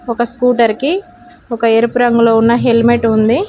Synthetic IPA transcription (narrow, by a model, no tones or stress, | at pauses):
ɔkɐskuːʈɐɾki | ɔkɐeːɾpɾɐŋɡulo̞ːunːɐɦelmeʈund̪i